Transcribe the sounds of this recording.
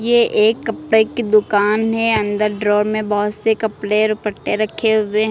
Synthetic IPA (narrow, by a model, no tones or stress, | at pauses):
jeʔeːkːɐpɽeked̪ʊkaːnɦɛɐ̃nd̪əɾɖɾoːɾmẽbɐɦʊt̪sekɐpɽeɾʊpəʈːeɾɐkʰeɦʊweɦ